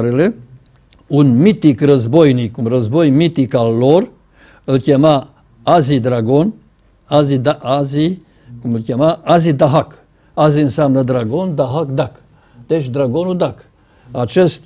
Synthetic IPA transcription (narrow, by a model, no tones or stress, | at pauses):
ɾele | unmit̪ikrəzbojnikunrəzbojmit̪ikalːor | ɨlkʲema | azid̪ɾaɡon | azid̪aʔazi | kumɨlkʲemaʔazid̪aɦak | aziɨnsamnəd̪ɾaɡond̪aɦakd̪ak | d̪̥et͡ʃʲd̪ɾaɡonud̪ak | at͡ʃest̪